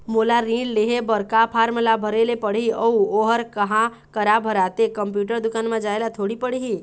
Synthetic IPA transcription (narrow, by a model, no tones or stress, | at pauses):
molaɾĩɖleɦebəɾkapʰaɾmlabʱəɾelepəɽ̤iəuoɦəɾkəɦã | kəɾabʱəɾat̪ekəmpjuʈəɾd̪ʊkanmãd͡ʒaelat̪ʰoɽipəɽiɦi